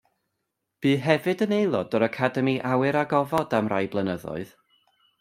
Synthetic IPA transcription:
b̥iːɦɛvɨdənejlˠɔdɔɾakʰadɛmiʔawɨɾaɡɔvɔdamra̰jblˠənəðɔ̰ɨð

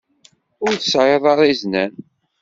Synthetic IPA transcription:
ʊɾθsʕəðˤɑɾˤiznæn

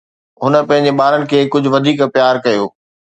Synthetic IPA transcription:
ɦʊnə̆pɐ̃ɦɪ̃ɲ̆d͡ʑeɓaːɾənɪ̆kʰeːkʊd͡ʑʱʊ̆ʋɐd̪ʱiːkpjaːɾkɐjoː

